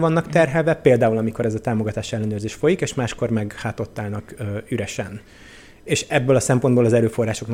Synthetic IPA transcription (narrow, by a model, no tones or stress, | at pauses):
vɒnːɒkt̪ɛrɦɛlvɛpeːld̪aːulɒmiko̞ɾɛzɒt̪aːmo̞ɡɒt̪aːʃiɛlːɛnøːrzeːʃfo̞jikeːʃmaːʃko̞rmɛɡhaːt̪o̞t̪ːaːlnɒkyɾɛʃɛn | eːʃɛbːøːlɒsɛmpo̞nd̪boːlɒzɛɾøːfo̞rːaːʃo̞kn